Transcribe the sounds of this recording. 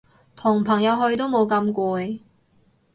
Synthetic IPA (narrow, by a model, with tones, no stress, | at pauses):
t̪ʰʊ˨˩ŋpʰɐ˨˩ŋjɐ˨˧wɦɵ˧ɥt̪o˥wmo˨˧wkɐ˧mkʷɔː˧j